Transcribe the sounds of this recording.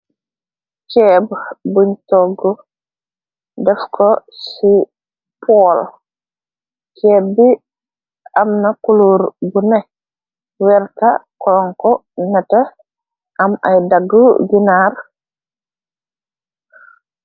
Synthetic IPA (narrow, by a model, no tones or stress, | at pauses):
t͡ʃɛbbuɲtɔɡɔ | dɛfkʰɔsi | pʰɔl | t͡ʃɛbi | amnakuluɾbunɛ | wɛɾkakɔŋkɔnata | ʔamajdaɡːuɡinaɾ